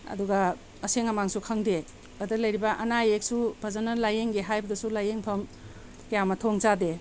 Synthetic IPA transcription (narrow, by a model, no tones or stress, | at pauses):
ɐ̰duɡɐ | ɐseŋɐmaŋsukʰɐŋde | ɐdɐlɐjɾibɐʔɐnajek̚subʱɐzɐnɐlajeŋɡeɦajbɐdɐsulajeŋpʰɐm | kijamɐtʰoŋt͡ʃade